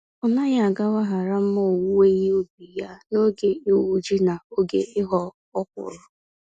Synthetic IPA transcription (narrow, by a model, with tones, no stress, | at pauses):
ɔ˨na˦ja˨a˨ɡa˦wa˦ɦa˨ɾa˦m̩˦mo˦˨wu˦e˦ɦe˦o˦bi˨ja˦no˦ɡe˨o˦wu˦d͡ʒi˦na˨o˦ɡḛ˨ɪ˦ɦɔ˦ | ɔ˦kʷʊ̰˨ɾʊ˨